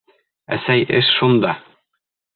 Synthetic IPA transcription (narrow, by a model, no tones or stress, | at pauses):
æ̰sæjɘʃʃund̪ɑ